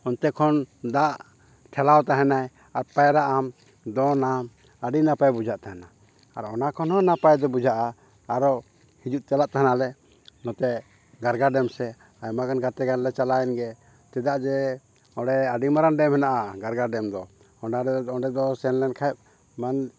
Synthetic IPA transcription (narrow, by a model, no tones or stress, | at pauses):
ɔnt̪ɛkʰɔnd̪aʔ | ʈʰɛlawt̪aɦɛnaj | aɾpajɾaʔam | d̪ɔnam | aɖinapajbud͡ʒʱaʔt̪aɦana | aɾɔnakʰɔnhɔ̃napajd̪ɔbud͡ʒʱaʔaː | ɾɔ | hid͡ʒuʔt͡ʃalaʔt̪aɦanalɛ | nɔt̪ɛ | ɡaɾɡaɖɛmsɛ | ajmaɡanɡat̪ɛɡanlɛt͡ʃalajɛnɡɛ | t̪ɛd̪aʔd͡ʒɛ | ɔɖɛaɖimaɾanɖɛmhɛnaʔaɡaɾɡaɖɛmd̪ɔ | ɔɖaɾɛɔɖɛd̪ɔsɛnlɛnkʰaɛp̚ | man